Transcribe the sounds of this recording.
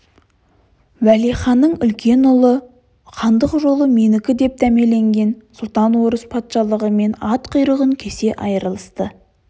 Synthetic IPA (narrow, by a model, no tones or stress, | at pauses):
wæliχɑnːəɴʏlkʲʰe̞nʊlˠə | qʰɑnd̪əqʒo̞lˠəmenɪkʲɪd̪e̞p̚d̪æme̞le̞ŋɡʲe̞nsʊlˠt̪ɑnwo̞ɾəspʰɑt̪ʃɑlˠəʁəme̞nɑt̪qʰəjɾəʁəŋkʲʰe̞se̞ʔɑjəɾəlˠəst̪ə